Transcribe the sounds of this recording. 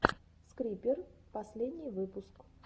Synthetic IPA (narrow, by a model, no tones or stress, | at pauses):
skɾʲipʲɪrpɐsʲlʲed̪ʲnʲɪjvɨpʊsk